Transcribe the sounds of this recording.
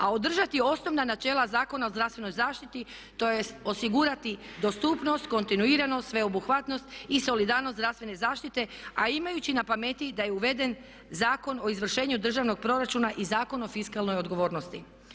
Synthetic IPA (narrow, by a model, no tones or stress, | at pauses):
ao̞d̪r̩ʒat̪io̞sno̞ʋnanat͡ʃe̞ːlazaːko̞nao̞zd̪ɾafst̪ʋe̞no̞jzaːʃt̪it̪i | t̪o̞jeo̞siɡuɾat̪i | d̪o̞st̪upno̞st̪ko̞nt̪inuiːɾano̞t̪ʋe̞o̞buxʋat̪nost̪iso̞lid̪aːɾnosɾafst̪ʋene̞zaːʃt̪it̪e̞aimajut͡ɕinapamet̪id̪aje̞uʋe̞d̪e̞n | zaːko̞no̞izʋr̩ʃe̞ːɲud̪r̩ʒaʋno̞ɡ̚pɾo̞ɾat͡ʃuːnaʔizaːko̞no̞fiskalno̞jo̞d̪ɡo̞ʋo̞ːɾnost̪i